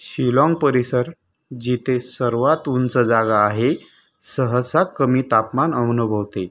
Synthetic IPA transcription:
ɕilɔ̃ŋɡpəɾisəɾ | d͡ʑit̪esəɾʋat̪unt͡səd͡zaɡaːɦe | səɦəsakːəmiːt̪apmanəmnubʱəʋt̪e

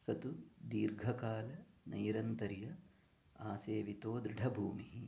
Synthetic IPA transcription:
sɐt̪ud̪iːɾɡʱɐkaːlɐnɐ̰jɾɐnt̪ɐɾijɐ | aːseːʋit̪oːd̪ɾɪɖʱɐbʱuːmiɦi

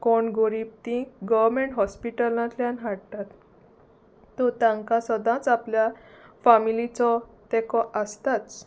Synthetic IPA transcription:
kɔɳɡoɾib̚t̪ĩɡəʋɾmeɳʈɦɔspiʈəlãt̪ljãnɦaɽt̪at̪ | ɔt̪ãŋkasəd̪ãt͡sapljafamilit͡sɔt̪ɛkɔʔəst̪at͡s

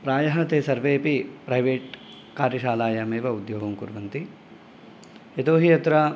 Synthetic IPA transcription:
pɾaːjɐɦɐt̪eːsɐɾʋeːpipɾɐjʋeːʈ | kaːɾjɐʃaːlaːjɐmeːʋɐud̪joːɡɐmkṵɾʋɐnt̪i | et̪oːɦiɐt̪ɾɐ

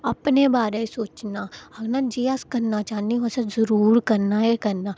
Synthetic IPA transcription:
ɐpnebaːɾẽsoːt͡ʃnaɐɡnad͡ʒiːaskɐɾnat͡ʃaːniɦosazɐɾuːɾkɐɾnaɦɛkɐɾna

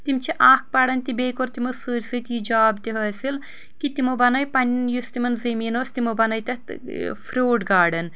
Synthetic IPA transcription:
t̪imt͡ʃʰiʔaːk̚pɐɽɐnʲt̪ibeːkoɾt̪imɨsɨːɾʲsɨt̪ʲjid͡ʒaːbt̪iɦɐːsil | kit̪imobɐnɐjpɐnʲnjust̪imɐnzemiːnoːsʲt̪imobɐnɐjt̪ʲɐt̪fʰɾʲoːʈɡaːɽɐn

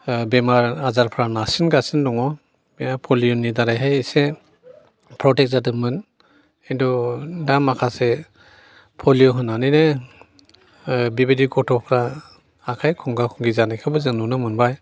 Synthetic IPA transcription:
bɛmaɹazaɾpʰɾanasinɡasindɔŋɔ | bapʰɔlijɔnidaɾajɦejse | pʰɾɔtɛk̚zadɯmɯn | endɔdamakʰasɛ | pʰɔlijɔɦɯnanɯjne | bibidikɔtʰɔpʰɾaː | kʰajkʰɔŋɡakʰɔŋɡizanakʰabɯzɯnunɯmɯnbaj

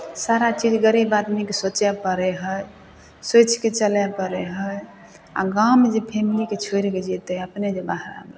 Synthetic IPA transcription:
saɾat͡ʃid͡ʒɡəɾibad̪mekesot͡ʃɛpəɾɛɦəj | sot͡ʃket͡ʃəlɛpəɾeɦəj | a̰ɡawmed͡ʒepʰemiliket͡ʃʰoɾiked͡ʒet̪eəpned͡ʒebaɦɾa̰ml

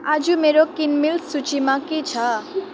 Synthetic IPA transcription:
ad͡ʒumeɾokinmilsut͡ʃimãkit͡ʃʰa

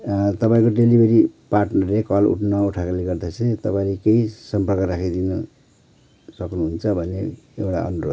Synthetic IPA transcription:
t̪ʌpaĩkoɖelibʱeɾiparʈnʌrlekʌlṵʈʰnʌuʈʰakoleɡʌrd̪asʰẽt̪ʌpaĩlekeisʌmpʌrkʌrakʰid̪inʌ | sʌknuɦunt͡sʰʌbʱʌneewʈa̰ʌ̰nuɾo̰d̪

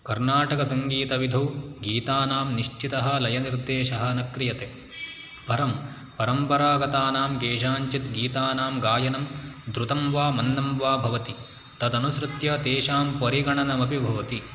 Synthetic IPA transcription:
kɐɾnaːʈɐkɐsɐŋɡiːt̪ɐʋid̪ʱɐwɡiːt̪aːnaːmniʃt͡ʃit̪ɐɦɐ̆lɐjɐniɾd̪eːʃɐɦɐ̆nɐkɾijɐt̪e | bʱɐɾɐm | pɐɾɐmpɐɾaːɡɐt̪aːnaːmɡeːʃaːɲt͡ʃit̪ɡiːt̪aːnaːmɡaːjɐnɐmd̪ɾut̪ɐmʋaːmɐnːɐmʋaːbʱɐʋɐt̪i | t̪ɐd̪ɐnusɾɨt̪jɐd̪eːʃaːmpɐɾiɡɐɳɐnɐmɐpibʱɐʋɐt̪i

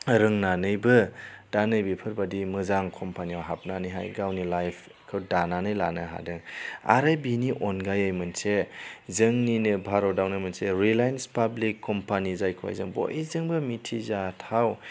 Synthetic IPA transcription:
ɾɯŋnanɯjbɯd̥anɯjbipʰɯɾbadimɯzaŋkʰɔmpʰaniawɦap̚naniɦa̰jɡawnilajpʰ | kʰɯwdananɯjlanɯɦa̰dɯŋa̰ɾɯbiniʔɔnɡajajmɯnsezɯŋninɯbʱaɾɔdawnajmanseɾilajnspablikʰːɔmpʰanizajkʰwa̰jzɯŋbo̰zɯŋbɯmitʰizatʰaw

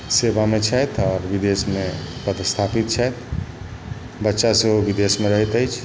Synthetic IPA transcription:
sebamet͡ʃʰɛjt̪ʰɔːɾbid̪esmepət̪st̪ʰapit̪̚t͡ʃʰəjt̪ | bətːʃaseɦobid̪esmeɾəɦit̪əjt͡ʃʰ

